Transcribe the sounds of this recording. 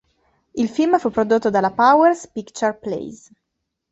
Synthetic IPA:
ilfilmfupːɾod̪ot̪ːod̪alapawɛɾspikt͡ʃarplḛjs

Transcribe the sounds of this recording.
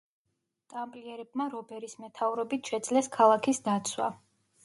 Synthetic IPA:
t̪ʼampʼliɛɾɛbmaɾɔbɛɾismɛt̪ʰauɾɔbit̪ʰʃɛd̪zlɛskʰalˠakʰisd̪at̪sʰwa̰

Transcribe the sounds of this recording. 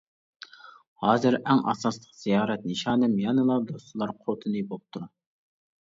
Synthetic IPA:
hɑːzɨɾɛŋʔɑ̰sɑslˠəqz̥ijɑːɾɛt̪̚nɨʃɑːnɨmjɑnɨlˠɑd̪ost̪ulˠɑɾqʰot̪ʰɨnɨbop̚t̪ʰu

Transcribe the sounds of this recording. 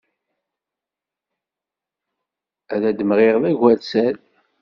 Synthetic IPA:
æðæd̪əmʁeʁðæʝʷælt͡sæl

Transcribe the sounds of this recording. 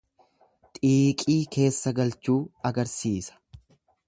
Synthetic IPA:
t̪ʼiːkʼiːkʰe̞ːsːɐɡɐlt͡ʃuːɐɡɐɾsiːsɐ̥

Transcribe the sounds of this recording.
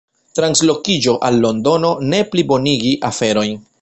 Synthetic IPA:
tɾanslo̞kid͡ʒo̞ʔalːo̞ndo̞no̞ne̞plibo̞niɡiʔafe̞ɾo̞jn

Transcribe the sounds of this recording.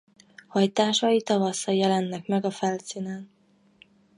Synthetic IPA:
hɒjt̪aːʃɒit̪ɒvɒsɒjɛlɛnːɛkmɛɡɒfɛlsiːnaːn

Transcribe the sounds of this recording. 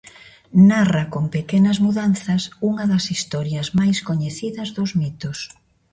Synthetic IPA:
narɐkoŋpekenɐzmuðanθɐsuŋɐðɐsist̪ɔɾjɐzmajskoɲeθiðɐzðʊzmit̪ʊs

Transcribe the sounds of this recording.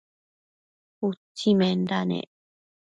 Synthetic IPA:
utːimend̪anḛʔ

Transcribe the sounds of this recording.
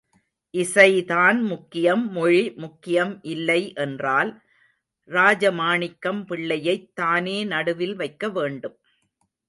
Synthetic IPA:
ʔɪsɐɪt̪aːnmʊkːɪjɐmːɔɻimʊkːɪjɐmʔɪlːɐɪʔɛndraːl | ɾaːd͡ʒɐmaːɳɪkːɐmpɪɭːɐjɐɪt̪ːaːneːnɐɽɯʋɪlʋɐɪkːɐʋeːɳɖɯm

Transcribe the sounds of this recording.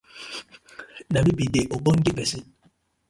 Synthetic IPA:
nabibideʔoboŋ̩dibɛsi

